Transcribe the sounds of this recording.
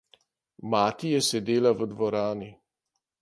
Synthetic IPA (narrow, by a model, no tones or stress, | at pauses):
maːt̪ijɛsɛd̪eːlaʋəd̪ʋɔɾaːni